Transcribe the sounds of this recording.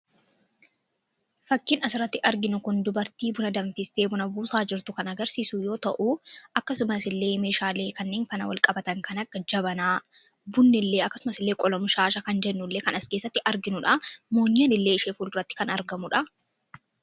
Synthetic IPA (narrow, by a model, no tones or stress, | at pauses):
fɐkːɪnɐsɪɾɐt̪ːɪʔɐɾɡɪnʊkʊnd̪ʊbɐɾt̪iːbʊnɐd̪ɐɱfɪst̪e̞ːbʊnɐbuːsaːd͡ʒɪɾt̪ʊkɐnɐɡɐɾsiːsujo̞ːt̪ɐʔuʔɐkːɐsʊmɐsɪlːe̞ːme̞ːʃaːle̞ːkɐnːeːnfɐnɐ̰wɐ̰lkʼɐbɐt̪ɐŋkɐnɐɡːɐd͡ʒɐbɐnaː | bʊnːɪlːe̞ːɐkːɐsʊmɐsɪlːe̞ːkʼɔlɔmʊʃaːʃɐkɐnd͡ʒɛnːʊlːe̞ːkɐnɐskesːɐt̪ːɪʔɐɾɡɪnʊᶑɐmoːɲːɐnɪlːe̞ːɪʃeːfuːld̪ʊɾɐt̪ːɪ̥kɐnɐɾɡɐmʊᶑɐ